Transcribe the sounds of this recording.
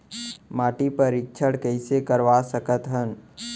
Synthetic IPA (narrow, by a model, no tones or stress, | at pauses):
maːʈipəɾɪk̚t͡ʃʰəɽkɛɪsekəɾʋasəkət̪ɦən